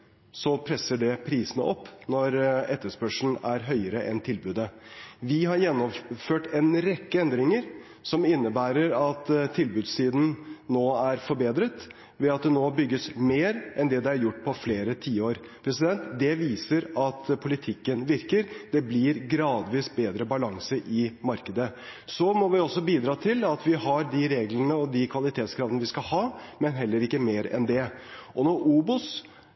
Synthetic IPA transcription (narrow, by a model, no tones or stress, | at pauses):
sɔpʰɾɛsəɖɛpʰɾiːsənəɔpːnɔɾɛt̪ːəʂpœʂɳn̩æɾɦœʏəɾəʔɛ̰nt̪ʰɪlbʉːd̪əʋɪɦɑɾjɛnːɔmføːʈɛnɾɛkːəɛnd̪ɾɪŋəɾ | sɔmɪnːəbæːɾəɾɑt̪t̪ʰːɪlbʉːd̪ssiːd̪n̩noːæɾfɔɾbeːd̪ɾət̪ | ʋɛɑt̪̚d̪ɛnoːbʏɡːəsmeːɾʔɛnd̪ɛd̪ɛæɾjʊʈːpʰɔfleːɾət̪ʰiːəoːɾ | pʰɾɛsɪd̪ɛnt̪d̪ɛʋiːsəɾɑt̪pʰʊlɪt̪ʰɪkːənʋɪɾkəɾd̪̥ɛblɪɾɡɾɑːd̪ʋiːsbeːd̪ɾəbɑlɑŋsəʔɪmɑɾkəd̪ə | sɔmɔʋɪɔsːɔbiːd̪ɾɑːt̪ʰɪlɑt̪ʋɪhɑɾd̪ɪɾeːɡlənəɔd̪ɪkʰʋɑlɪt̪ʰeːt̪skʰɾɑʋd̪ənəʋɪskɑhɑːmɛnɦɛlːəɾɪkːəmeːɾɛ̰nd̪ɛʔɔnɔɾʔuːbʊs